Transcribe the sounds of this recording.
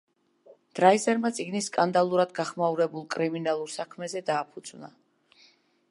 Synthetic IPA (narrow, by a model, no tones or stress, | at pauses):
d̪̥ɾaizɛɾmat̪sʼiɡniskʼand̪alˠuɾad̪ɡaχmauɾɛbulˠkʼɾiminalˠuɾsakʰmɛzɛd̪aːpʰud̪zvna̰